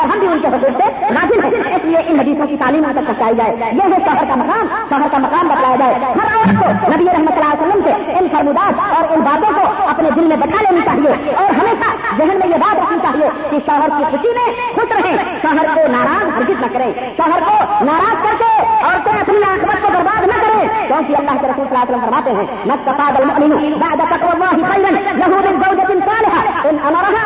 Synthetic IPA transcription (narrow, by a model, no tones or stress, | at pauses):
ɔɾɦəmbʱiunkeɦokumseɾad͡ʒilɦɛ̃eslieʔinɦəd̪isõkit̪aːlimẽk̪əsə̃ɦt͡ʃaid͡ʒaejeɦẽsɔɦəɾkamɐkaːm | sɔɦəɾkaməkaːmbəd̪laed͡ʒaeɦəɾawat̪konəbieɾəɦmət̪səlaːlesəlːəmse | ensəɾmud̪adɔːɾunbat̪õkoəpned̪ilmẽbəʈʰalenit͡ʃaɦieɔːɾɦəmesad͡ʒəɦənmẽjebat̪ɾəkʰnit͡ʃaːɦio | kisɔɦəɾkikʰuʃimẽ | hʰut̪ɾəɦẽsəɦəɾkonaɾaːzɦəɾd͡ʒit̪nakəɾẽ | səɦəɾkonaːɾaːzkəɾt̪eɔːɾt̪ẽɐpniaːkʰmət̪̚kobəɾbad̪nakəɾẽkɔ̃ːkiɐlːaːɦkeɾəsuːlsɐlaːsəlːəmpɐɾmat̪ẽɦɛ̃ | mɐst̪əfad̪əlmʊʔliɦubaʕd̪at̪ɐkwɐlːɑːɦixɐɪɾənnɐɦub̪ind͡ʒəʊd͡ʒət̪insaːleɦaenonaɾaɦ